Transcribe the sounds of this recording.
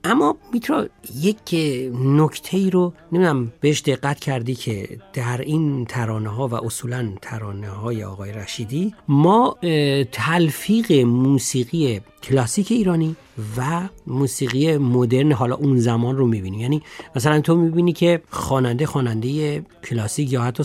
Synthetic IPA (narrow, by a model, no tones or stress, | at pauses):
ʔæmːɒmit̪ʰɾɒjecʰnokʰt̪ʰe̞iːɾonemid̪æmb̥eheʃd̪e̞ɣːæt̪cʰæɾd̪iːkʰe̞d̪̥æɾint̪ʰæɾɒːneɦɒːvæ̰ʔosuːlænt̪ʰæɾɒːneɦɒːjḛɒ̰ːɣɒːjeɾæʃiːd̪imɒːt̪ʰælfiːɣe̞muːsiːɣije | cʰlɒːsiːcʰe̞iːɾɒːniː | væmuːsiːɣijemod̪e̞ɾneɦɒːlɒ̰ːʔunzæmɒːnromibinijæniːmæsælænt̪ʰomibiːnicʰe̞xɒːnænd̪e̞xɒːnænd̪e̞jecʰlɒsiːcjɒːhæt̪ʰːɒː